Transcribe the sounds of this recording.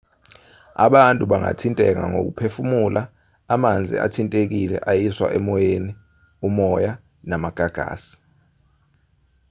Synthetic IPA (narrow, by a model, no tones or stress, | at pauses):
a̰ɓantʼuɓaŋa̰tʰintʼɛk̬a̰ŋo̰k̬upʰefumulʔaː | mand͡zʱḭa̰tʰintʼek̬ilɛ̰ʔajiswa̰ʔɛmɔjeni | umɔja | namaɡ̥ʱaɡ̥ʱa̰ːsi̥